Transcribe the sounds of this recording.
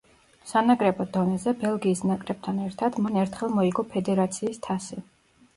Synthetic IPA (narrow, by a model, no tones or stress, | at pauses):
sanakʼɾɛbɔd̪̥ɔnɛzɛbɛlˠɡiːsnakʼɾɛb̚t̪ʰanɛɾt̪ʰad̪manɛɾt̪ʰχɛlˠmɔiɡɔpʰɛd̪ɛɾat̪sʰiːst̪ʰasi